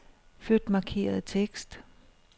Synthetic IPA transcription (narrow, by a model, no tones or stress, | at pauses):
fød̥mɑ̈kʰe̝̰ːɐð̞ˠt͡sʰeɡ̥sd̥